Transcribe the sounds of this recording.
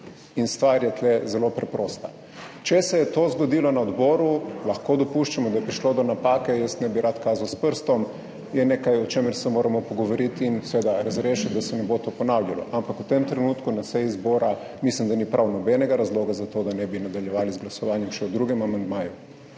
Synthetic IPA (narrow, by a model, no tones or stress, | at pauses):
inst̪ʋaɾjɛt̪lɛzɛlopɾɛpɾoːst̪a | t͡ʃɛsɛjɛt̪ozɡɔd̪iːlɔnaɔd̪boːɾulaxkod̪ɔpuʃt͡ʃamɔd̪ajɛpɾiʃlod̪ɔnapakɛjəst̪nɛbiɾʔat̪kaːzawspəɾst̪ɔm | jɛneːkajɔt͡ʃeməɾsɛmoːɾamɔpɔɡɔʋɔɾit̪ːnsɛʋed̪aɾazɾeːʃit̪̚d̪asɛnɛbot̪opɔnawljalɔ̰ʔampakut̪emt̪ɾɛnut̪kunasɛjizboːɾa | mislimd̪anipɾʔawnɔbɛnɛɡaɾazloːɡazat̪od̪anɛbinad̪aljɛʋaːlizɡlasɔʋaːnjɛmʃɛwd̪ɾuɡɛmamand̪maːju